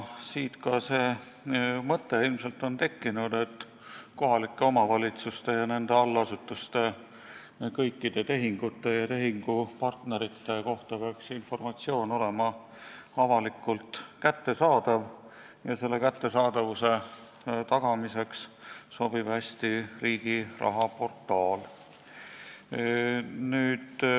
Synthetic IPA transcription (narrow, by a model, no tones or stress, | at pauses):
siːt̪kɑseː | mɤt̪ːe̞ilmse̞lt̪ːˑo̞nt̪e̞kːinud̪̥e̞t̪ː | ko̞ɦɑlikːe̞o̞mɑvɑlʲit̪sust̪e̞jɑne̞nd̪̥e̞ɑlːɑsut̪ːˑust̪e̞ | kɤjkːid̪̥e̞t̪e̞ɦiŋɡ̥ut̪ːˑe̞jɑt̪e̞ɦiŋɡ̥upɑrt̪ne̞ɾit̪ːe̞ko̞ht̪ɑpeɑksinfo̞rmɑt̪sio̞ːno̞le̞mɑ | ɑvɑlikːˑult̪kæt̪ːe̞sɑːd̪̥ɑv | jɑse̞lːe̞kæt̪ːe̞sɑːd̪ɑvuse̞ | t̪ɑɡ̥ɑmise̞ksso̞b̥ib̥hæsʲt̪iriːɡ̥irɑ̰ɦɑpo̞rt̪ːˑɑːl | nyːd̪̥